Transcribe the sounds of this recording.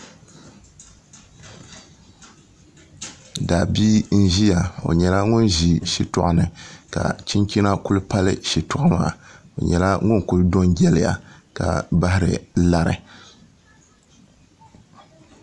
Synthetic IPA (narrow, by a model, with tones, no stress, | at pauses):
da˨biː˦n̩˦ʒi˦ja˨o̰˨ɲɛ˨la˦ŋʊ˦nʒi˨ʃi˦tʊ˦˨ʔʊ˨nɨ˨ka̰˨t͡ʃi˦nt͡ʃi˦na˦ku˦lɨ˦pa˦lɨ˦ʃi˨tʊ˨ʔʊ˦ma̰ː˨ | o˨ɲɛ˨la˦ŋʊ˦n˨ku˦ldo˦nɡɛ˦lɪ˨ja̰˨ka̰˨ba˦hɪ˦ɾɨ̰˨la˦ɾɨ̰˨